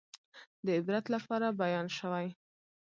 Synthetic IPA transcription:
d̪əɪbɾat̪lapɑɾabajɑnʃəwaj

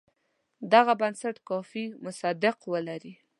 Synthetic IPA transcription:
d̪aɣabansaʈkɑfimʊsad̪ɪqwəlaɾi

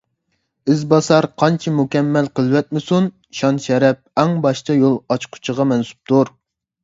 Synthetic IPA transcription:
ɪzbɑsɑɾqʰɑnt͡ʃʰɛmukʲɛmːɛlqəlˠwɛt̪̚mɪsun | ʃɑnʃɛɾɛp̚ɛŋbɑʃt̪ʰɑjolˠɑt͡ʃqʰʊ̥t͡ʃʰəʁɑmɛnsu̥p̚t̪ʰuɾ

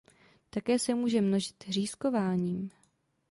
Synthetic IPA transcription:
t̪akɛːsɛmuːʒɛmno̞ʒɪt̪r̝iːsko̞vaːɲiːm

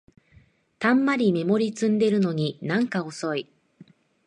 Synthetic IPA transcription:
t̪ãmːaɾʲime̞mo̞ɾʲit͡sɨ̃nd̪e̞ɾɯ̟no̞ɲ̟inãŋkaoso̞i

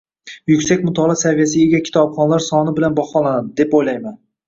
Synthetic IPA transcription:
jʊkʲsak̚ʲmʊt̪ʰɒlˠasavijas̬ɪeɡʲakʲʰɪ̥t̪ʰɒpχɒnlaɾsɒnɪbɪlanbɒχɒlˠanad̪ɪd̪e̞pojlajman

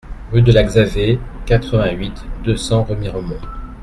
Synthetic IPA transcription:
ʁyd̪əlaɡzavekat̪χəvɛ̃ɥit̪d̪øsɑ̃ʁəmiʁəmɔ̃

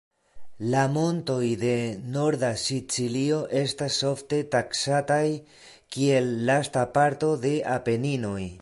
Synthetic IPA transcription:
lamo̞nto̞jde̞no̞ɾdasit͡silio̞ʔe̞stasːo̞fte̞taksataj | kie̞lːastapaɾto̞de̞ʔape̞nino̞j

